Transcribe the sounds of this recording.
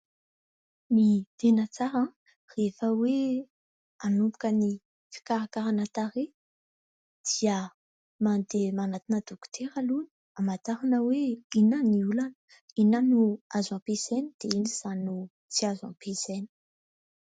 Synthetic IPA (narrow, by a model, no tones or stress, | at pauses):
mit̪enət͡saɾã | refəwe | anubu̥kəni | fi̥kaɾakaɾanat̪aɾe | d̪̥iə | mand̪emanat̪inəd̪uku̥t̪ʰeɾaluni̥ | amat̪aɾanəweinaniulanə̥ | inanuazãpesenid̪̥einiz̥anu | t͡siazã̰peseni̥